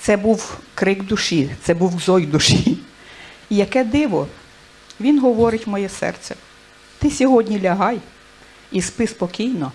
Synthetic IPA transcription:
t̪sɛbuwkɾɪɡd̪uʃit̪sɛbuwzɔjd̪uʃi | ijɐkɛd̪ɪʋɔ | ʋʲinɦɔʋɔɾɪtʲmɔjɛsɛ̰rt͡ssʲɛ | t̪ɪsʲɔɦɔdʲnʲilʲɐɦɑj | ispɪspɔkʲijnɔ

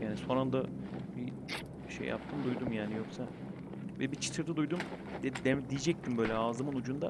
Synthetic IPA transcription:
jaːniso̞nand̪abi | ʃḛjːa̰p̚t̪ʰɯmd̪ujd̪umjaːnijo̞ksa | vɛbit͡ʃʰi̥t̪ʰɯɾd̪ɯd̪ujd̪um | d̪ɛd̪ɛd̪ijid͡ʒɛc̚t̪ʰimbø̞ːlʲɛaːzɯmɯnud͡ʒund̪a

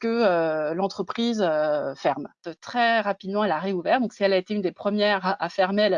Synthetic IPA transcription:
kəølɑ̃t̪χəpχizøfɛʁmøt̪χɛʁapid̪mɑ̃ɛlaʁeuvɛʁd̪ɔ̃ksiɛlaet̪eynd̪epχəmjɛʁaʔafɛʁmel

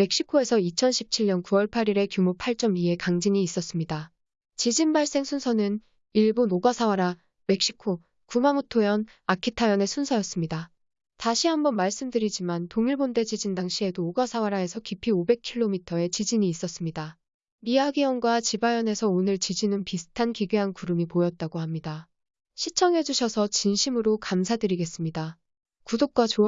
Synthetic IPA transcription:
me̞k̚ɕ͈ikʰoe̞sʰʌit͡ɕʰʌnɕʰip̚t͡ɕʰiɭɲʌnkuwʌɭpʰaɾiɾe̞kjumopʰaɭt͡ɕ͈ʌmie̞kaŋd͡ʑiɲiːs͈ʌs͈ɯmɲida | t͡ɕid͡ʑinbaɭs͈e̞ŋsʰunsʰʌnɯn | iɭbonoɡasʰawaɾa | me̞k̚ɕ͈i̥kʰo | kumamotʰojʌn | akʰitʰajʌne̞sʰunsʰʌjʌs͈ɯmɲida | taɕʰiɦambʌnmaɭs͈ɯmdɯɾid͡ʑimantoŋiɭbonde̞d͡ʑid͡ʑindaŋɕʰie̞doːɡasʰawaɾae̞sʰʌkipʰiobe̞k̚ʰiɭːomitʰʌe̞t͡ɕid͡ʑiɲiːs͈ʌs͈ɯmɲida | miaɡiʌnɡwat͡ɕibajʌne̞sʰʌonɯɭt͡ɕid͡ʑinɯnpisʰɯ̥tʰankiɡeɦankuɾɯmipojʌt̚t͈aɡohamɲida | ɕʰit͡ɕʰʌŋɦe̞d͡ʑuɕʰʌsʰʌt͡ɕinɕʰimɯɾokamsʰadɯɾiɡe̞s͈ɯmɲida | kudok̚k͈wat͡ɕo

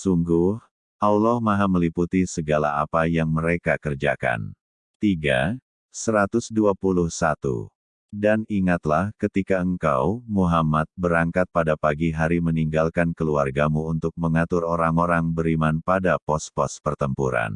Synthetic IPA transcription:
suŋɡʊh | ʔawlɔhmaɦaməliput̪isəɡala̰apajaŋməɾekakərd͡ʒa̰ka̰n | t̪iɡa̰ | səɾat̪ʊsduapuluhsat̪ṵ | daniŋat̪lahkət̪ikaəŋka̰wmuɦamat̪̚bəɾaŋkat̪̚padapaɡiɦaɾiməniŋɡalkankəluarɡamuːnt̪ʊk̚məŋat̪ʊɾoɾaŋoɾaŋbəɾimanpadapɔspɔspərt̪əmpuɾa̰n

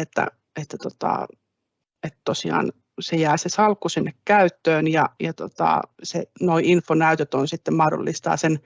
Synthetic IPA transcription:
et̪ːæ̰ | et̪ːæt̪ot̪ɑ̰ | et̪t̪osiɑ̰ːn | sejæːsesɑlkːusinːekkæyt̪ːøːnjɑjɑt̪o̰t̪ɑ̰sḛnoiinfonæyt̪øt̪onsit̪ːemmɑhdo̰lːist̪ɑ̰ːsen

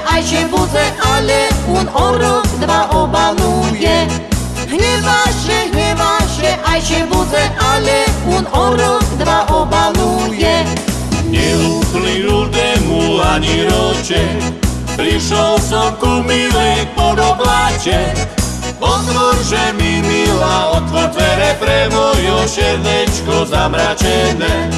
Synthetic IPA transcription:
ʔajʃɛbuzɛʔalɛunɔɾɔkd̪ʋaʔɔbalujɛ | ɦɲɛʋaʃɛɦɲɛʋaʃɛʔajʃɛbuzɛʔalɛnɔɾɔkd̪ʋaʔɔbalujɛ | ɲɛuxliɾud̪ɛmulaɲiɾɔt͡ʃɛ | pɾiʃɔlsɔmkumilipɔd̪ɔblacɛ | pɔt̪ʋɔɾʒɛmimilaɔt̪ʋɔɾt̪ʋɛɾɛpɾɛmɔjɔʃɛɾdɛt͡ʃkɔzamɾat͡ʃɛnɛ

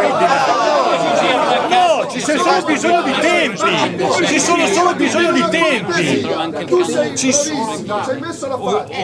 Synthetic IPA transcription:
nɔt͡ʃissoːnobizoɲːod̪it̪ɛmpit͡ʃisoːnosoːlobizoɲːod̪it̪ɛmpi | t͡ʃis

